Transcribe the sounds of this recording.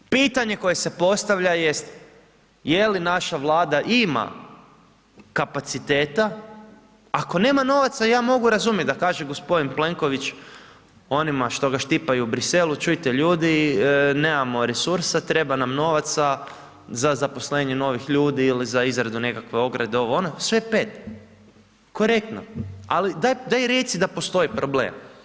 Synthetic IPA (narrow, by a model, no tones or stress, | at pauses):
piːt̪aɲe̞ko̞je̞se̞po̞st̪aʋʎaje̞st̪ | jelinaʃaʋlˠaːd̪aʔima̰ | kapat̪sit̪eːt̪a | ako̞ne̞ːmano̞ʋat̪sajaːmo̞ɡuɾazumjet̪d̪akaːʒeɡo̞spo̞d̪inple̞ŋko̞ʋit͡ʃ | o̞nimaʃt̪o̞ɡaʃt̪ipajuːbɾise̞lut͡ʃujt̪e̞ʎuːd̪ineːmamo̞ɾe̞suɾsat̪ɾe̞banamno̞ʋat̪sa | zazapo̞sle̞ːɲeno̞ʋixʎuːd̪iilizaizɾad̪une̞kakʋe̞o̞ɡɾad̪eo̞ʋoonosʋe̞peːt̪ | ko̞ɾe̞k̚t̪no̰alid̪ajd̪ajɾjet̪sid̪apo̞st̪o̞ipɾo̞ble̞̰ːm